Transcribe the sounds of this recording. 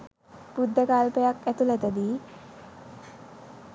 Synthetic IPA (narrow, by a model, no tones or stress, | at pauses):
pud̪ʱːakalpejakɛt̪ulɛt̪ɛd̪i